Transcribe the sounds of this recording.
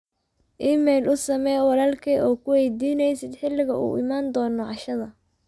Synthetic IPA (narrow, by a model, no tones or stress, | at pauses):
ʔiːmɛjlʔʊsɐmɛjwɑlaːlkʰɛːʔɔːkʰʊwɛjd̪iːnɛjsɪd̪ħɪlːɪɣɐʔṵːʔɪmaːnd̪ɔːnɔʕɑʃɐðɐ